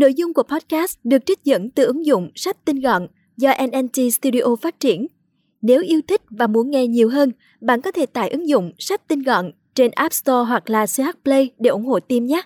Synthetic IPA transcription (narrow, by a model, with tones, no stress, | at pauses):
no̰˧˨jzʊ˧ŋ͡mku˧˩ə˩pɔ˦˥t̚kaː˦˥sɗɨ˨˩ək̚t͡ɕï˦˥k̟̚zə̰˧˥nt̪ɨ˨˩ʔɨ˨˦ŋzʊ̰˧˨ŋ͡msa˦˥jk̟̚t̪ï˧nɣ̰n | zɔ˧ʔɛ˧nʔɛ˧nt͡ɕi˧st̪u˧ɗi˧ʔo˧faː˦˥t̚t͡ɕi˧˩ən | ne˨˦wʔi˧əwt̪ʰï˦˥k̟̚vaː˨˩mu˨˦ənŋɛ˧ɲi˨˩əwɦəː˧n | ɓa̰ː˧˨nkɔ˨˦t̪ʰe˧˩t̪aː˧˨jʔɨ˨˦ŋzʊ̰˧˨ŋ͡msa˦˥k̟̚t̪i˧nɣɔ̰˧˨n | t͡ɕe˧nʔa˦˥p̚st̪ɔ˧ɦwa˨˩k̚laː˨˩saː˦˥t̚plə˧jɗe˧˩ʔʊ˧˩ŋ͡mho̰˧˨t̪i˧mɲaː˦˥